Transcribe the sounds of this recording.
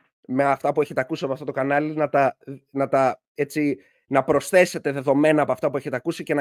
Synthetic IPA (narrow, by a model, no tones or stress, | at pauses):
meɐft̪ɐpue̞çe̞t̪eɐkusiɐpoɐft̪o̞t̪o̞kɐnɐlinɐt̪ɐnɐt̪ɐ | et͡si | nɐpɾo̞sθe̞se̞t̪e̞ðe̞ðo̞me̞nɐːpoɐft̪ɐp̬ue̞çe̞t̪eɐkusice̞nɐ